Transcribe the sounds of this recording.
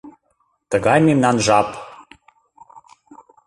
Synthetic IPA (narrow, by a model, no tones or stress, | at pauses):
t̪əɣɑjmemnɑnʒɑp